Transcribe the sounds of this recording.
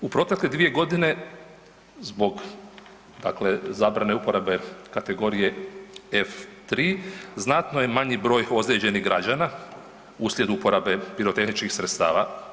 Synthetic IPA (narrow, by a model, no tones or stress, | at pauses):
upɾo̞t̪ekled̪ʋije̞ɡo̞d̪ine̞ | zbo̞ɡ | d̪a̰kle̞zaːbɾane̞upo̞ɾabe̞kat̪e̞ɡo̞ɾije̞eft̪ɾiːznat̪noje̞maɲibɾo̞ːjo̞d̪ɾe̞d͡ʑe̞niɣɡɾad͡ʑana | uslʲje̞d̪uupo̞ɾabe̞biɾo̞t̪e̞xnit͡ʃkixsɾet̪st̪a̰ːʋa̰